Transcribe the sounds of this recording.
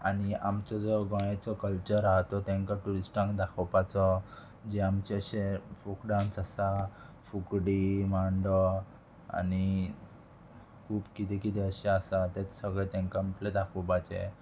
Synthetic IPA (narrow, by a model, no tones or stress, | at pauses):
aniamt͡ɕɔd͡zɔɡɔj̃at͡sɔkəlt͡ɕəɾaɦt̪ɔt̪ɛ̃ŋkaʈuɾisʈãŋkd̪akʰɔpat͡sɔ | d͡ʑeamt͡ɕeəɕefukɖawnsasa | fukɽimaɳɖɔ | a̰ni | kʰuːpkit̪ɛkit̪ɛəɕeasat̪ɛt͡ssəɡɭet̪ɛ̃ŋkampled̪akʰɔpad͡ʑḛ